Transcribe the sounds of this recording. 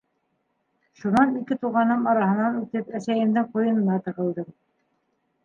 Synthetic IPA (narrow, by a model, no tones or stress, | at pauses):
ʃunɑnikɘt̪uʁɑnɤmɑɾɑhɤ̆nɑnʉt̪ɘpæsæjɘ̆md̪ɘŋqujɤ̆nɤ̆nɑt̪ɤ̆ʁɤ̆lˠd̪ɤm